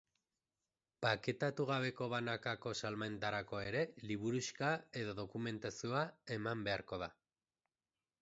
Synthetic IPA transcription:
pake̞t̪at̪uɣ̞aβ̞e̞ko̞β̞anakako̞salmaent̪aɾako̞e̞ɾe̞liβ̞uɾuskae̞ðo̞ðo̞kume̞nt̪asioae̞mambe̞aɾko̞ð̞a

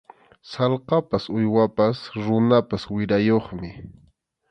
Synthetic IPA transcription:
sɑlqɑpasʊjwapasɾʊnapaswɪɾajoχmɪ

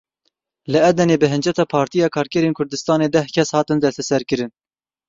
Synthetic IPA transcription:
lɨɛd̪ɛneːbɨɦɨnd͡ʒɛt̪ɑːpʰɑːɾt̪ijɑːkʰɑːɾkɛɾeːnkʰʊɾd̪ɨst̪ɑːneːd̪ɛhkʰɛshɑːt̪ɨnd̪ɛst̪ɛsɛɾkɨɾɨn

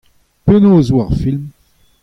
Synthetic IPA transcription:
penoːzwaʁfilm

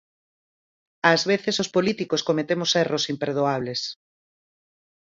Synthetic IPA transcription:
azβeθesospolit̪ikoskomet̪emʊsɛrosimpeɾðoaβ̞les

